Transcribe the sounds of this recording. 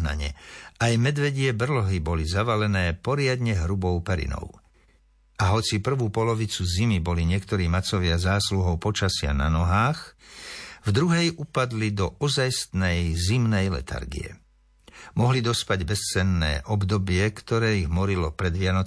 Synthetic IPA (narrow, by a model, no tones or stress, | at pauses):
na̰ɲɛ̰ajmɛd̪ʋɛɟɪɛbr̩lɔɦibɔlizaʋalɛnɛːpɔɾɪad̪ɲɛɦɾubɔʊpɛɾḭnɔ̰ʊ | aɦɔt͡sipr̩ʋuːpɔlɔʋit͡suzimibɔliɲɪɛkt̪ɔɾiːmat͡sɔʋɪazaːsluɦɔʊpɔt͡ʃasɪa̰na̰nɔɦaːx | vd̪ɾuɦɛjupad̪lid̪ɔɔzajst̪nɛjzimnɛjlɛ̰t̪ʰa̰ɾɡḭɛ̰ | mɔɦlid̪ɔspaɟbɛst͡sɛnːɛ̰ːʔɔbd̪ɔbɪɛkt̪ɔɾɛːiɣmɔɾilɔpɾɛd̪ʋɪanɔ